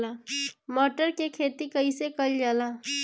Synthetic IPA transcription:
laːmɔːʈəɾkekʰeːt̪ikəisekəld͡ʒaːlaː

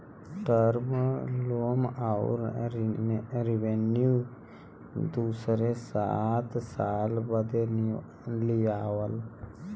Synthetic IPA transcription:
ʈəɾmloːmaʊ̰ɾ | ɾɪʋenjuː | d̪uːsɾesaːt̪saːlbəd̪en | lijaːwəl

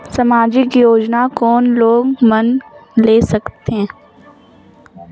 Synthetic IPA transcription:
samaːd͡ʒɪkjoːd͡ʒnakɔːnloːɡmɐnleːsɐkt̪eɦɛ̃ː

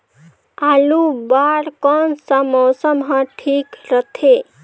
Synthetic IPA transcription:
alubaɾkɔnsəmɔːsəmɦə̃ʈʰiːkɾət̪ʰe

